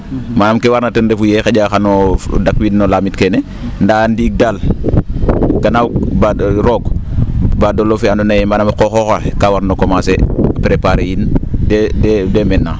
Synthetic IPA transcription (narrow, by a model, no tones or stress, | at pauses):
manamkewaɾnatəndefujexeɟaxanodakwinnolaːmitkene | ndandiːk̚dal | ɡanawbaɾoɡ | badolofeandonajemanamakoxoxaekawaɾnokomasepɾepaɾejindededemenːa